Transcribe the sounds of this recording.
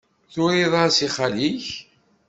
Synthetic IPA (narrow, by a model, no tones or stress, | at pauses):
θʊɾiðˤɑɾsiχaliç